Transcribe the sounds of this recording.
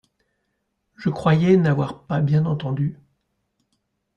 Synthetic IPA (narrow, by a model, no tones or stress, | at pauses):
ʒəkχwajɛnavwaʁpabjɛ̃nɑ̃t̪ɑ̃d̪y